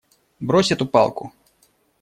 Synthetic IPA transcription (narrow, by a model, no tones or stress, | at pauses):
bɾɔsʲɐt̪upɑ̰lˠku